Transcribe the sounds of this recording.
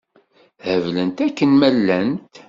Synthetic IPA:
həvlənt̪ækːənmælːænt̪

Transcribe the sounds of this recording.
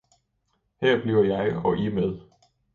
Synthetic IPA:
heɐ̰b̥liʊɐjɑ̈ɪɒ̽ʔimeð̞ˠ

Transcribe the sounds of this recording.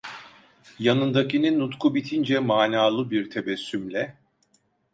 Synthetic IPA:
janɯnd̪akininːut̪kʰubit̪ʰind͡ʒɛmaːnaːlˠɯbiɾt̪ʰe̞vɛsːymlʲɛ

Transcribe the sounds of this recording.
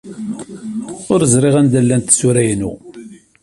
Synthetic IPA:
ʊɾəzɾɪʁænd̪ælːænt̪suɾæjnṵ

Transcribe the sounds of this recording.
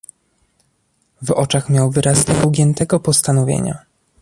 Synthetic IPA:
vɔt͡ʂaxmʲjawvɘɾʔasɲɛvwɡʲjɛnt̪ɛɡɔpɔst̪anɔvʲjḛɲa̰

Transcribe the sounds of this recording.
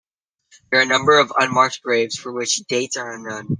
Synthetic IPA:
ðə˞ɨnʌ̃mbə˞ʌvʌ̰̃nmɑɹk̚t̚ɡ̥ɹeɪvz̥fə˞wɪt͡ʃd̥eɪtsə˞ʌ̃nːõʊ̃n

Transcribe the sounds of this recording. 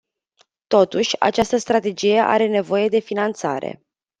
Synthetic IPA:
t̪o̞t̪uʃʲa̰t͡ʃast̪əst̪ɾat̪e̞d͡ʒije̞ʔa̰ɾe̞ne̞vo̞je̞d̪e̞finant̪sa̰ɾe̞̰

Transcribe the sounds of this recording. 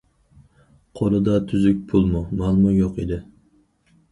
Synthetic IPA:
qʰolˠɨd̪ɑt̪ʰyzyk̚ʲpʰulˠmumɑlˠmɑjoqid̪ɪ

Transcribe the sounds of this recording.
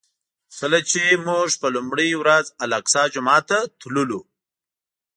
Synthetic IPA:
kəlat͡ʃemuʐpəlumɽiwɾazalaksɑd͡ʒʊmɑːt̪at̪lulu

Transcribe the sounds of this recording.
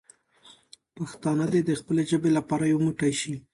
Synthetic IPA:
paxt̪ɑnəd̪ed̪əxpəleʒəbelapɑɾajawmuʈajʃi

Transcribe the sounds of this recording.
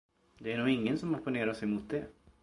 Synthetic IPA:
d̪ɛæɳuːɡɪŋːənsɔmɔpʊneːɾaʂɛjmʊt̪̚d̪ɛ

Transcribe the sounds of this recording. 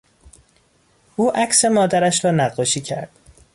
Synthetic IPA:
ʔuːʔæcse̞mɒːd̪æɾæʃɾɒːnæɢːɒːʃiːcʰæɾd̪̥

